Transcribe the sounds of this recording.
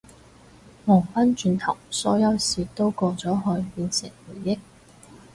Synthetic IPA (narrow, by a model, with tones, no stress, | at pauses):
mɔː˨˩ŋfɐ˥nt͡ʃyː˧nt̪ʰɐ˨˩wsɔ̰ː˨˥jɐ˨˥wsiː˨˧t̪o˥wkɔː˧t͡sɔː˨˥ɦɔː˧jpiː˧nsɪ˨˩ŋwuː˨˩jːɪ˥k̚